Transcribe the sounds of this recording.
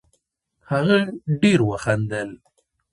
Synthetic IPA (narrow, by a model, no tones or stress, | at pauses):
haɣaɖeɾwəxand̪əl